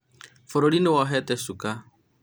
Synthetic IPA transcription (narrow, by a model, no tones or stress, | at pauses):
fɔɾɔɽinɛwaɦɛt̪ɛsuka